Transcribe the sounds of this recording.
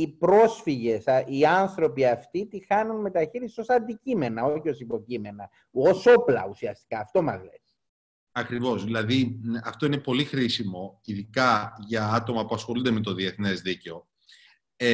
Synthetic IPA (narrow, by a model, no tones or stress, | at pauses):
ipɾo̞sfiʝe̞sɐiɐnθɾo̞piɐft̪it̪ixɐnunme̞t̪ɐçiɾisi̥so̞sɐnd̪icime̞nɐo̞çio̞sipo̞cime̞nɐ | o̞so̞plɐ̰usiɐst̪i̥kɐːft̪o̞mɐzle̞̰s | ɐkɾivo̞zðilɐðiɐft̪o̞ine̞po̞lixɾisimo̞iðikɐʝɐɐt̪o̞mɐpuɐsxo̞lund̪eme̞t̪o̞ðie̞θne̞zðice̞o̞